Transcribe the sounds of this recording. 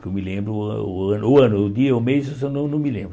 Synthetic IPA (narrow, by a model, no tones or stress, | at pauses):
kewmɪlẽmbɾʊ̰ɐ̃nʊɐ̃nʊd̪iɐomezosẽnɐ̃w̃nɐ̃w̃mɪlḛ̃mbɾ